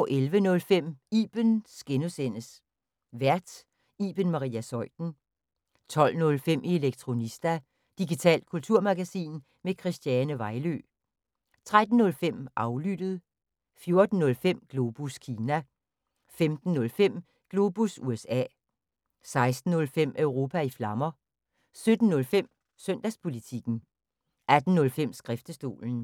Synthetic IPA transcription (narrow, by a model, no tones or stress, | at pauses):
ʔelʋənɔ̽lfem̰iːb̥ənsɡ̥e̝nəsen̰əs | ʋæɐ̰d̥ | iːb̥ənmɑ̈ʁḭːæsɒ̽ɪ̰d̥n̩ | t͡sʰɒ̽l̰nɔ̽lfem̰ʔieleɡ̥̚t͡sʰʁo̝nisd̥æ | d̥iɡit͡sʰɛ̰ːl̰d̥̚kʰult͡sʰuɐ̰mɑ̈ɡ̥æsḭːn | mekʰʁisd̥jɛːnəʋɑ̈ɪlø̰ː | t͡sʰʁad̥n̩ːɔ̽lfem̰ʔɑ̈ʊlyd̥əð̞̩ˠ | fjo̝ɐd̥n̩ːɔ̽lfem̰ɡ̥lo̝ːb̥uskʰiːnæ | femd̥n̩ːɔ̽lfem̰ | ɡ̥lo̝ːb̥usuesɛ̰ː | sɑ̈ɪsd̥n̩ːɔ̽lfem̰œʊʁo̝ːpʰæiflɑ̈mɐ | sød̥n̩ːɔ̽lfem̰ | sœn̰d̥æspʰo̝lit͡sʰiɡ̥n̩ | æd̥n̩ːɔ̽lfem̰sɡ̥ʁɛfd̥əsd̥o̝̰ːln̩